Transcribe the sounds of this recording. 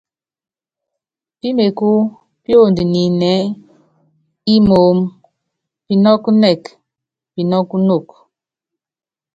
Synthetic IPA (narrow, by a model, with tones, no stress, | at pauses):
pi˦me˨ku˦ | pjo˦˨ndi˨ni˨nɛ˨˦ | i˦mo˨˦m | pi˨nɔ˦ku˦nɛ˨k | pi˨nɔ˦ku˦no˦˨k